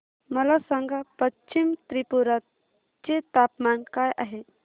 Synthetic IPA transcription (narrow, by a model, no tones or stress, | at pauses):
məlasəŋɡʱapət͡ʃimt̪ɾipuɾat̪̚ | t͡ʃet̪apmankajʔaɦe